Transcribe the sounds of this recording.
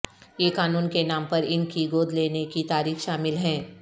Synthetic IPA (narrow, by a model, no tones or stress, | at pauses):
jeːkaːnuːnkenaːmpɐɾɪ̃ŋɡiɡoːd̪ʱleːnekit̪aːɾiːxʃaːmɪlɦɛ̃ː